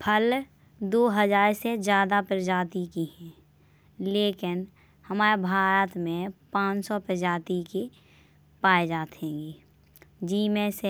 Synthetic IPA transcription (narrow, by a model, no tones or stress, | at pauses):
pʰəl | d̪oːɦəd͡ʒaːɾsed͡ʒjaːd̪apɪɾd͡ʒaːt̪ikiɦɛ̃ː | leːkɪn | həmaːɾebʱaːɾət̪mẽpãːt͡ʃsɔpəd͡ʒaːt̪ike | paːed͡ʒaːt̪ɦẽːŋɡeː | d͡ʒiːmẽse